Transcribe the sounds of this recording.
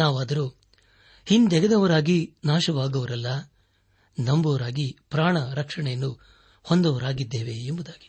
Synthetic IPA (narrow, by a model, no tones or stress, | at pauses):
naːʋaːd̪ɐɾuː | hind̪ɛɡɐd̪ɐʋɐɾaːɡinaːʃɐʋaːɡɐʋɐɾɐlːɐ | nɐmbɐʋɐɾaːɡipɾaːɳɐɾɐkʂɐɳɛjɐnːu | hond̪ɐʋɐɾaːɡid̪ːeːʋeembud̪aːɡi̥